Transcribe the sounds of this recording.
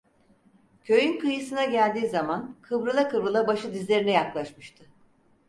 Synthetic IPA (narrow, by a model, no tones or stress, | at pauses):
cʰø̞jynkɯjɯsɯnaɟælʲd̪iːzamankʰɯbɾɯlˠakɯbɾɯlˠabaʃɯd̪izlʲe̞ɾinɛjaklˠaʃmɯʃt̪ʰɯ